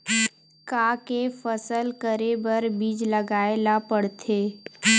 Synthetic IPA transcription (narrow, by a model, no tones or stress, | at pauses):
kaːkefəsəlkəɾebəɾbiːd͡ʒləɡaːelapəɽt̪ʰeː